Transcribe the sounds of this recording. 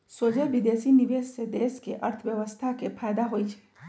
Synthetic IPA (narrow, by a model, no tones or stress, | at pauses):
soːd͡ʒeʋɪd̪eːsinɪʋeːssed̪eːskeʔɐɾt̪ʰʋjəʋəst̪ʰakepʰaːjd̪aɦoit͡ʃʰɛ̥